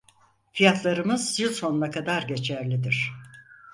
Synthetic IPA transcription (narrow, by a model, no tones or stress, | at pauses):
fijat̪ʰlˠaɾɯmɯzjilʲso̞nlˠakʰad̪aɾɟe̞t͡ʃʰæɾlʲid̪iɾ̝̥